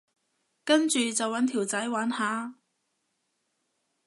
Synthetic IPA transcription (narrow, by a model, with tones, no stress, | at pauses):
kɐ˥nt͡ʃyː˨t͡sɐ˨wɐ˨˥nt̪ʰiː˨˩wt͡sɐ˨˥jwaː˨˥nhaː˨˥